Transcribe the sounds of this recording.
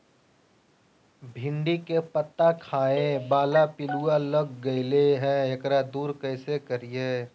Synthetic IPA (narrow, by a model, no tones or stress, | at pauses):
bʱɪ̃ɳɖikepət̪ːakʰaːebaːlapɪlualəɡːəɪleɦɛ̃ekɾad̪uːɾkəɪsekəɾije